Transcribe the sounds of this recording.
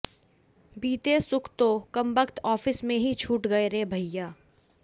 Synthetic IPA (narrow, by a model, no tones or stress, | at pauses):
biːt̪esʊkʰt̪okɐmbəkt̪ɔːfɪsmẽɦit͡ʃʰuːʈɡɐeɾebʱɐjːaː